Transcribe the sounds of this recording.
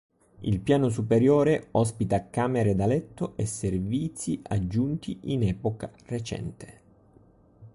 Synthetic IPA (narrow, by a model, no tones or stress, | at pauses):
ḭlpjaːnos̬upeɾjɔːɾeɔs̬pit̪akaːmeɾed̪alɛt̪ːoʔesːerviːt̪siʔad͡ʒːunt̪iʔinɛːpokaret͡ʃɛ̰nt̪e̥